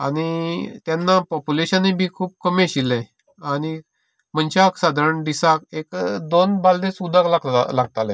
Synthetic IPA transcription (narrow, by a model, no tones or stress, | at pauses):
a̰ɽ̃it̪janːapɔpuleɕənebʱiːkʰuːb̚kəmẽɕilːɛ̃ | añi | m̤ənt͡ɕaksad̪ʱəɾəɳd̪isakekd̪onbald̪ẽsud̪ʱaklaɡlaɡ̚t̪alɛ̰̃